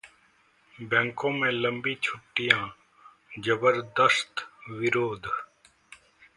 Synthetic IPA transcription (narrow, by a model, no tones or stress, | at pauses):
bɛ̃ŋkõːmẽːləmbiːt͡ʃʰʊʈːɪjãː | d͡ʒəbəɾd̪əst̪ʋɪɾoːd̪ʱ